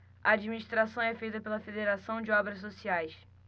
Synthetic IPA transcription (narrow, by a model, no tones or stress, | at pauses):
ɐad͡ʒiminiʃt̪ɾasɐ̃w̃ɛfejt̪ɐpelɐfed̪eɾasɐ̃w̃d͡ʒɪɔbɾɐssosiajs